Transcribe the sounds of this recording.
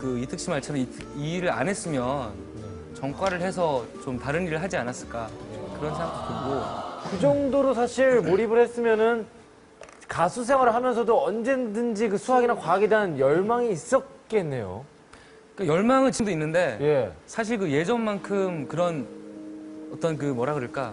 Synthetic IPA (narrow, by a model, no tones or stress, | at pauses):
kɯitʰɯk̚ɕ͈imaɭt͡ɕʰʌɾi | iɾɯɾa̰nɦe̞s͈ɯmjʌn | t͡ɕʌŋk͈waɾɯɭhe̞s̬ʰʌt͡ɕomtaɾɯniɾɯɭɦad͡ʑianas͈ɯɭk͈akɯɾʌnsʰeŋɡak̚t͈opoɡokɯd͡ʑʌŋdoɾosʰaɕʰiɭmoɾibɯɭhes͈ɯmjʌnɯn | kasʰus̬ʰe̞ŋwaɾɯɭɦamjʌnsʰʌdoʌnd͡ʑe̞ndɯnd͡ʑikɯsʰuɦaɡinakwaɡidaɯnjʌɭmaŋiːs͈ʌt̚k͈e̞nːe̞̰jo̰ | k͈ajʌɭmaŋɯɭt͡ɕimdoinːɯnde̞je̞sʰaɕ̬ʰiɭkɯje̞d͡ʑʌnmankʰɯmkɯɾʌn | ʌt͈ʌnk̬ɯmʌɾaɡɯɾɯɭk͈a